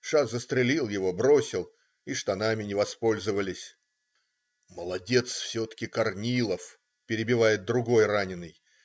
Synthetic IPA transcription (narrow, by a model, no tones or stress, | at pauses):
ʂazəst̪ɾʲɪlʲilˠjɪvo̞bɾo̞sʲɪlˠ | iʂt̪ɐnamʲɪnʲɪvɐspo̞lʲzɨvəlʲɪsʲ | məlˠɐdʲe̞t̪sfsʲot̪ə̥kʲɪkɐrnʲilˠəf | pʲɪɾʲɪbʲɪvajɪt̪̚d̪ɾʊɡo̞jranʲɪnːɨj